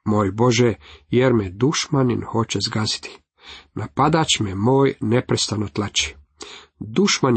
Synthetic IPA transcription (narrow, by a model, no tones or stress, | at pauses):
moːjbo̞ʒejeɾmed̪uʃmaninho̞t͡ɕezɡazi̥t̪ʰi̥ | nʔapad̪at͡ɕmemo̞ːjnepɾest̪anot̪lˠat͡ɕi̥ | d̪uʃman